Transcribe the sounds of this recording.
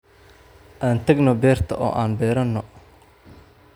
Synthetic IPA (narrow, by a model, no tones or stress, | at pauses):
ʔaːnt̪ʰɐɡnɔbɛːrt̪ʰɐʔɔ̰ːʔaːnbɛːɾɐnːɔ